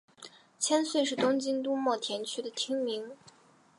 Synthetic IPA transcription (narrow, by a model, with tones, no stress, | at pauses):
t͡ɕʰjɛ˥nswe˥˧ɪʂɻ̩˥˩t̪ʊ˥ŋt͡ɕi˥ŋt̪u˥mwɔ˥˩t̪ʰjɛ˧˥nt͡ɕʰy˥d̪ə˨t̪ʰi˥ŋmi˧˥ŋ